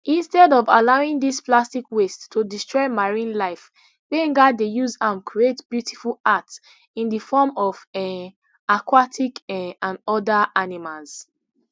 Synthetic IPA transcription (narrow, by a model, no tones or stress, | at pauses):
ʔĩnstɛdɔva̰laʊĩŋdisplastikwestʰːudistɹɔɪmaɹĩnlaɪf | bẽŋɡadejuzamkʰɹietb̥jutʰifulats | ĩndəfɔmɔvɛ | akwatʰikɛãndɔdaʔanimalz̥